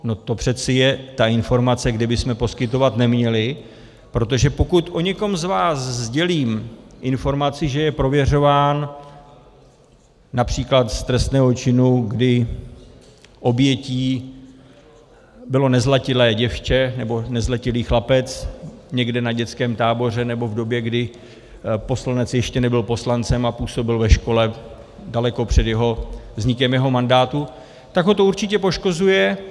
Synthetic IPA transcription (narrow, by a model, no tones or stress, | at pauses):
no̞t̪o̞pr̝̥ɛt̪t͡sɪjɛt̪aɪnfo̞ɾmat͡sɛɡdɪbɪsmɛpo̞skɪt̪o̞vat̪nɛmɲɛlɪ | pɾo̞t̪o̞ʒɛpo̞kut̪ʔo̞ɲɛko̞mzvaːszɟɛliːmʔɪnfo̞ɾmat͡sɪʒɛjɛpɾo̞vjɛr̝o̞vaːn | apr̝̥iːklat̪st̪ɾɛst̪nɛːɦo̞t͡ʃɪnuɡdɪ | ʔo̞bjɛciː | bɪlo̞nɛzlacɪlɛːɟɛft͡ʃɛnɛbo̞nɛzlacɪliːxlapɛt͡sɲɛɡdɛnaɟɛt͡skɛːmt̪aːbo̞r̝ɛnɛbo̞vdo̞bjɛɡdɪ | po̞slanɛt͡sjɛʃcɛnɛbɪlpo̞slant͡sɛmapuːso̞bɪlvɛʃko̞lɛ | dalɛko̞pr̝̥ɛdjɛɦo̞vzɲɪkɛmjɛɦo̞mandaːt̪u | t̪aɡɦo̞t̪o̞uɾt͡ʃɪcɛpo̞ʃko̞zujɛ